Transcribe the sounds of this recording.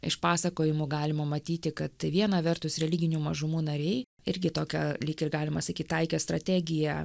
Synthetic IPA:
ɪ̰ʃpɑːsɐkoːjɪmʊɡɑːlʲɪmɐmɐt̪ʲiːt̪ʲɪkɐt̪ʋʲiɛnɐʋʲɛrt̪ʊsɾʲɛlʲɪɡʲɪnʲuːmɐʒʊmuːnɐɾʲɛɪ | ɪɾʲɡʲɪt̪oːkʲɛlʲɪkɪrɡɑːlʲɪmɐsɐkʲiːt̪ʲt̪ɐɪkʲɛst̪ɾɐt̪ʲæːɡʲɪjɛ

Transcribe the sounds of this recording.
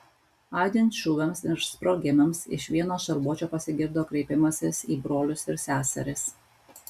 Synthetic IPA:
ɑˑːd̪ʲɪnt̪ʃʲuːɡɐmsɪɾspɾoɡʲɪmʲɐmsɪ̰ʃʋʲiɛnoːʃɐɾbuɔt͡ʃʲoːpɐsʲɪɡʲɪɾd̪oːkɾʲɛɪpʲɪmɐsʲɪsiːbɾoːlʲʊsɪɾsʲæːsʲɛ̰ɾʲɪs

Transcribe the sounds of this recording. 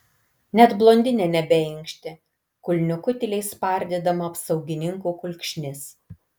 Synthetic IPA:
nʲɛt̪blˠoːnʲd̪ʲɪnʲɛnʲɛbʲɛɪŋkʃʲt̪ʲɪ | kʊlʲnʲʊkʊt̪ʲɪlʲɛɪspɐˑɾʲd̪ʲɛd̪ɐmɐɐpsɐʊɡʲɪnʲɪŋkuːkʊlʲkʃʲnʲɪs

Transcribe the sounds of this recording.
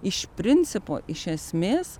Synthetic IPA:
ɪʃpɾɪnsɪpo̰ʔɪʃɛsmeːs

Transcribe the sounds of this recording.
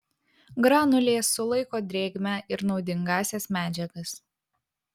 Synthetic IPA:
ɡɾɑːnʊlʲeːsʊlˠɐɪkoːd̪ʲɾʲeːɡʲmʲæʔɪɾnɒʊd̪ʲɪŋɡɑːsʲɛsmʲæːd͡ʒʲɛɡɐs

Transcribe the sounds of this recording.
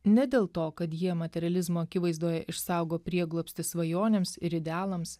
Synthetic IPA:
nʲɛd̪ʲeːlˠt̪oːkɐt̪jiɛmɐt̪ʲɛɾʲɐlʲɪzmoːɐkʲɪʋɐɪzd̪uːjɛʔɪʃsɑˑʊɡoːpʲɾʲiɛɡlˠoːpʲst̪ʲɪsʋɐjoːnʲeːmsɪɾɪd̪ʲɛɑːlˠɐms

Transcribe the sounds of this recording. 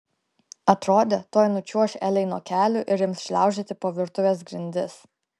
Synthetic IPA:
ɐt̪ɾoːd̪ʲet̪oːjnʊt͡ʃʲuɔʃʲɛːlʲɛɪnoɔkʲæːlʲʊˑʔɪɾjɪmsʃʲlʲæˑʊʒʲet̪ʲɪpoːʋʲɪɾt̪ʊʋʲeːsɡɾʲɪnʲd̪ʲɪs

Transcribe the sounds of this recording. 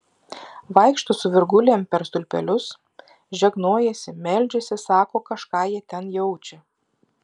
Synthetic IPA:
ʋɐɪkʃt̪ʊsʊʋʲɪɾɡʊlʲeːmpʲɛɾst̪ʊlʲpʲɛ̰lʲʊs | ʒʲɛɡnoːjɛsʲɪmʲɛlʲd͡ʒʲɛsʲɪsɑːkoːkɐʃkɑːjiɛt̪ʲɛnjɛʊt͡ʃʲɛ

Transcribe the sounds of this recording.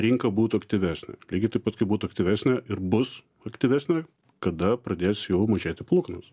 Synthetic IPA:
ɾʲɪŋkɐbuːt̪ʊɐkt̪ʲɪʋʲæːsʲnʲɛ̰lʲiːɡʲɪt̪ɐɪpɐt̪kɐɪbuːt̪ʊɐkt̪ʲɪʋʲæːsʲnʲɛʔɪɾbʊs | ɐkt̪ʲɪʋʲæːsʲnʲɛ | kɐd̪ɐpɾɐd̪ʲeːsʲjɛʊmɐʒʲeːt̪ʲɪplˠuːkɐnɐs

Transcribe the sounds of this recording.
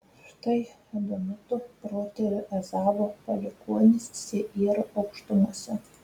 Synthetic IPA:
ʃt̪ɐɪ | ɐd̪ʊmʲʊt̪ʊpɾoːt̪ʲɛɾʲʊʔɛzɑːbopɐlʲɪkuɔnʲɪssʲeʔiːɾɐʔɐʊkʃt̪ʊmuɔsʲɛ

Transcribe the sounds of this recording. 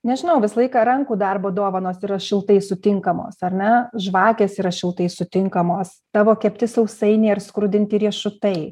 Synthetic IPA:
nʲɛʒʲɪnɐʊʋʲɪsɐlˠɐɪkɑːɾɐŋkuːd̪ɐrboːd̪oːʋɐnoːsiːɾɐʃʲɪlˠt̪ɐɪsʊt̪ʲɪŋkɐmo̰ːsɐɾʲnʲɛʒʋɑːkʲeːsiːɾɐʃʲɪlˠt̪ɐɪsʊt̪ʲɪŋkɐmoːs | t̪ɑːʋoːkʲɛpʲt̪ʲɪsɐʊsɐɪnʲeːɪrskɾʊd̪ʲɪnʲt̪ʲiɾʲiɛʃʊt̪ɐɪ

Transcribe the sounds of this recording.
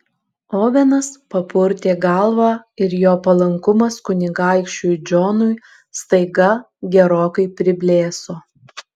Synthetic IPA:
oːʋʲɛnɐspɐpʊɾʲt̪ʲeːɡɐlˠʋɑːɪɾjoːpɐlˠɐŋkʊmɐskʊnʲɪɡɑɪkʃʲt͡ʃʲujd͡ʒʲoːnʊj | st̪ɐɪɡɐ | ɡʲɛɾoːkɐɪpʲɾʲɪbʲlʲeːsoː

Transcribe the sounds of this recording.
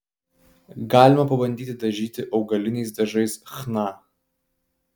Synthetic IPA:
ɡɑːlʲɪmɐpɐbɐnʲd̪ʲiːt̪ʲɪd̪ɐʒʲiːt̪ʲɪʔɐʊɡɐlʲɪnʲɛɪs̬d̪ɐʒɐɪsxnɑː

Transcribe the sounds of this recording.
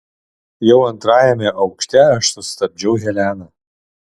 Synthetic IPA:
jɛʊɐnt̪ɾɑːjɛmʲɛʔɐʊkʃʲt̪ʲɛɐʃsʊst̪ɐb̚ʲd͡ʒʲɛʊɦʲɛlʲæːnɐ

